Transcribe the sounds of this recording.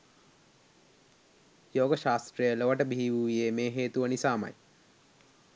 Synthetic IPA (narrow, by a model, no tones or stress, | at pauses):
joːɡəʃaːst̪ɾəjəloʋəʈəbʱiɦiʋuʋijemeːɦeːt̪uʋənisaːmɐ̰j